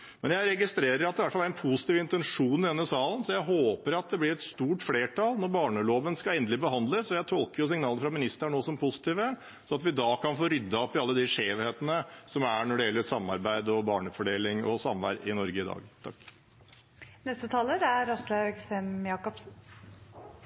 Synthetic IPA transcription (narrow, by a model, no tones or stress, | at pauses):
mɛnjæɪɾɛɡɪst̪ɾeːɾəɾɑt̪d̪ɪʋæʈːfɑlæɾɛnpʰusɪ̥t̪iːʋɪnt̪ɛnʂuːnɪd̪ɛnːəsɑːlən̩sɔjæɪɦoːpəɾɑt̪̚d̪ɛblɪɾɛt̪st̪uːʈfleːʈʰɑlnɔɾbɑːɳəloːʋənskɑlɛːnd̪əlɪbəɦɑnd̪ləsɔjæɪt̪ʰɔlkəɾjʊs̬ɪŋnɑːləfɾɑmɪnɪst̪əɳoːsɔmpʰʊsɪ̥t̪iːʋə | sɔɑt̪ʋɪd̪ɑkʰɑnfoːɾʏd̪ːɑɔpːɪɑlːəd̪ɪʂeːʋheːt̪ənəsɔmæɳɔɖɛjɛlːəɾsɑmːɑ̰ɾbæɪd̪ɔbɑːɳəfɔɖeːlɪŋɔ̰sɑmʋæ̰ɾɪnɔɾɡəɪd̪ɑ̰ːɡt̪ʰɑkː | nɛst̪ət̪ʰɑːləɾæɾɔslɑɡsɛmjɑːkɔpsn̩